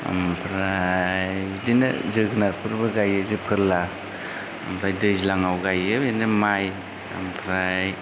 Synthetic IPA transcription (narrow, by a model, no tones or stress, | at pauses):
a̰mpʰɾajjdinɯ̰zɯɡnaɾpʰɯɾbɯɡajɯzɯpʰɯɾla | a̰mpʰɾajdɯjzilaŋawɡajɯbinɯmaj | a̰mpʰɾaj